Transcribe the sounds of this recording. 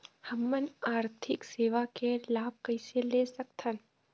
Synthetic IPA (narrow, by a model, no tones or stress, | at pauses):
həmːənaːɾt̪ʰɪkseːʋakelaːb̚kəɪselesɐkt̪ʰən